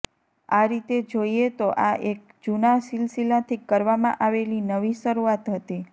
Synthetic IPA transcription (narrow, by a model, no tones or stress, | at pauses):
aɾit̪ed͡ʒoiet̪oʔaʔek̚ | d͡ʒunasilsilat̪ʰikəɾʋamã̰ʔaʋelinəʋiʃəɾuat̪ɦət̪i